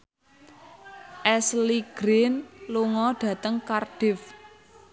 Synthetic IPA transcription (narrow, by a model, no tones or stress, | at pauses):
ʔɛsliɡ̥ɾɪnluŋɔɖ̥ä̤t̪əŋkarɖ̥ɪf